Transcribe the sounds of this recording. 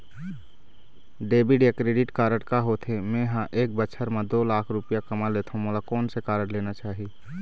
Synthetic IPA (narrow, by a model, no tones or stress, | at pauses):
ɖeːbɪɖjakɾeːɖɪʈkaːɾəʈkaɦot̪ʰemẽːɦãʔeːk̚bəʃʰəɾmãd̪oːlaːkʰɾʊpɪjakəmaleːt̪ʰãmolakɔːnsekaːɾəʈleːnat͡ʃaːɦi